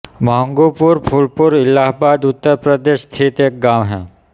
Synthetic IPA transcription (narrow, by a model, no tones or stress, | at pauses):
məɦə̃ŋɡoːpʊɾpʰʊlpʊɾɪlaːɦbaːd̪ʊt̪ːəɾpɾəd̪eːʃst̪ʰit̪eːk̚ɡaːʋɦɛ̰̃ː